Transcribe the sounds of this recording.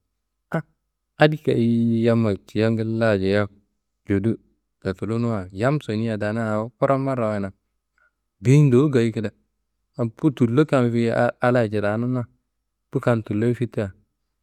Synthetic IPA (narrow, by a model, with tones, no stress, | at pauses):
a˦ | a˦di˦ka˨i˦ja˦ma˨t͡ʃi˨ja˦ɡɪ˦lla˦˨d͡ʒɛ˨ja˦ | d͡ʒo˨du˦ | da˨fu˨lo˦nu˦wa˨ja˦mso˨ni˦ja˨da˨na˦a˨˦ko˦ɾa˦ma˦ɾa˨wɛ˨na˨ | bi˦n˦do˨˦ɡa˨ji˦ki˦da˨ | a˨pu˦tu˨lo˦ka˨nfi˦a˦la˦˨d͡ʒɪ˨ɾa˨˦nu˦na˦ | pu˦ka˨ntu˨lːo˦fi˦tːa˨